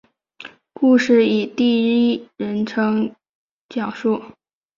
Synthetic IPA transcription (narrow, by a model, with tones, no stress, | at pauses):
ku˥˧ʂɻ̩˥˩i˨˩t̪i˥˧i˥˩ɻə˧˥nʈ͡ʂʰɤ˧˥ŋ | t͡ɕjɑ˨˩ŋʂu˥˩